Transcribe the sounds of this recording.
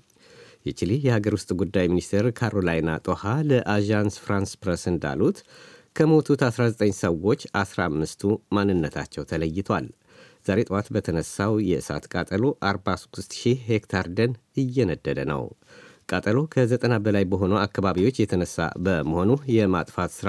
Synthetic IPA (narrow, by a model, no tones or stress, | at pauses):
jɛt͡ʃilijɛhaɡəɾwʊst̪ʼɡud̪ːajminist̪ʰeɾkʰaɾo̞lajna̰t̪ʼohaləʔaʒansfɾanspɾəsɨnd̪a̰lut̪kʰəmo̞t̪ʰut̪asɾazət̪ʼəɲːsəwo̞t͡ʃːasɾaamːɨst̪ʰumanːɨnːət̪ʰa̰t͡ʃːɛwt̪ʰələjːɪt̪ʰwa̰l | z̥aɾe̞t̪ʼwat̪bət̪ʰənəsːawjɛɨsa̰t̪kʼat̪ʼəlo̞ʔaɾbasu̥t̪ust̪ʃihekt̪ʰaɾd̪ənɨjːɛnəd̪ːəd̪ənə̰wkʼat̪ʼəlo̞kʰəzət̪ʼənabəlajbəɦo̞nəwakːaβaβiwo̞t͡ʃːjɛt̪ʰənəsːa̰bəməho̞nujɛmat̪ʼfat̪sɨɾ